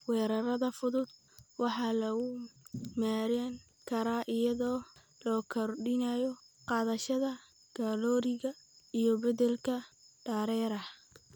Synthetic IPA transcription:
wɛːɾɐɾɐðɐfʊðʊd̪̚ | wɑħɑːlɐɣʊmaːɾɛŋ | kʰɐɾaːʔɪjɐðɔː | lɔːkʰɔrɖɪnajɔ | qɑːðɐʃɐðɐ | ɡ̥alɔːɾɪɣɐijɔbɐdɛlkʰɐ | ɖ̥ɐːɾɛːɾɐh

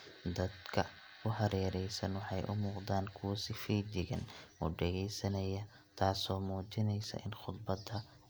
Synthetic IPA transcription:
d̪ɐd̪kʰɐ | ʊɦɐɾɛːɾɛjsɐnwɑħɑjʔʊ̰muːqd̪aːnkʰʊwɐsɪfiːt͡ʃɪɣɐnʔɔ̰ːɖɛɣɛjsɐnɐjɐ | t̪ʰaːsɔːmuːt͡ʃɪnɛjsɐ̰ʔɪnχʊd̪bɐd̪ɐ

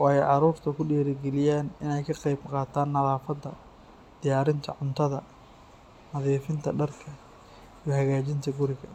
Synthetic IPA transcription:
wɑːɛjʕɑɾuːrt̪ʰɐkʰʊɖɛːɾɪɡɛlɪjaːnɪnɛjkʰɐqɑjbqɑːt̪ʰaːnːɐðaːfɐd̪ːɐ | d̪̥ɪjaːɾɪnt̪ʰɐʕʊnt̪ʰɐðɐ | nɐðiːfɪnt̪ʰɐɖɐrkʰɐ | ijɞɦɐɣaːt͡ʃɪnt̪ʰɐɡʊɾɪɣɐ̰

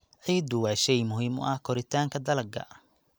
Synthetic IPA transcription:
ʕiːd̪ʊwaːʃɛjmʊɦiːmɔ̰ʔɐhkʰɔɾɪt̪ʰaːŋkʰɐd̪ɐlɐɡɐ̰

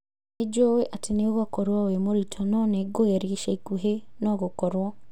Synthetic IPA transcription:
ned͡ʒoweʔateneoɣakɔɾwawemoɾitʰɔnɔneɡojeɾeʃeikuɦenɔɣokɔɾwɔ

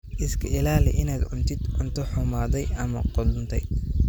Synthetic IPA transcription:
ʔɪskʰɐɪlaːlɛ̰ʔɪnaːd̪ʕʊnt̪ʰɪd̪ʕʊnt̪ʰɔħʊmaːðɛjɐmɐqɔlʊnt̪ʰɛj

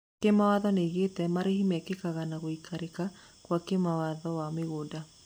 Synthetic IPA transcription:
kemawaðɔneɣetɛmaɾehimɛkekaɣanaɣoikʰaɾeka | kwakemawaðɔwameɣoda

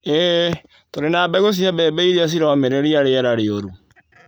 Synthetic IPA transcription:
ɛ | toɾenaːbɛɣos̬iabɛːbɛiɾeas̬iɾɔmeɾeɾiaɾeɛɾaɾeoɾu

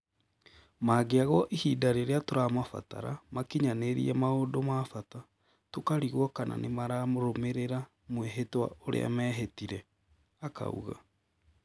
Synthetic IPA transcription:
maːɡeaɣɔʔihidaɾeɾeatoɾamafa̰ta̰ɾamakiɲaneɾḭɛmaodomafata | tokaɾiɣwɔkana̰nemaɾamoɾomeɾeɾa | mweɦetwa̰oɾḛa̰mɛːɦetiɾɛ | aka̰ṵɣa̰

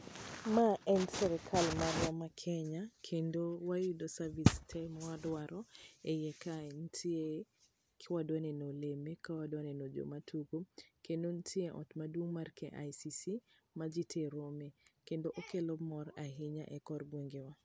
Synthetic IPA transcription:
maɛnsɛɾɛkʰalmaɾwɔmakʰɛɲakʰendowajudosavistʰɛmɔwadwaɾɔejɛkantʰie | kʰɪwadwanenolemekawadwanɛnod͡ʒo̰matʰuɡokendontʰieʔɔ̰tmadwoŋmarkɛʔa̰jsisi | mad͡ʒitʰeɾomekendoʔokelɔmɔraɦɪɲa̰ʔɛkɔrɡweŋɡewa

